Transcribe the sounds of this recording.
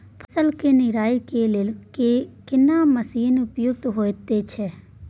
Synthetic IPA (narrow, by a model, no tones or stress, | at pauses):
pʰəsəlkenɪɾaːikelelkekɪnaməsiːnʊpjʊɡ̚t̪ɦoːt̪et͡ʃʰɛ